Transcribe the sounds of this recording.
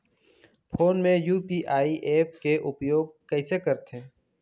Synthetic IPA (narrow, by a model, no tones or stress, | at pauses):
pʰoːnmẽjuːpiʔaːiʔeːp̚keʔʊpjoːɡ̚kɛɪsekɐɾt̪ʰẽː